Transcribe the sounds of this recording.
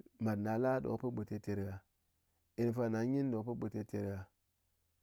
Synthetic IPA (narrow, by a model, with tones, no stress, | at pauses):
ma˨dna˨la˦do̰˨˦pə˦ɓo˨te˦te˨ɾɡa˨ | i˨n˨fa˦na˨˦ɲi˦n˦do˨pə˦ɓo˨te˦te˨ɾa˨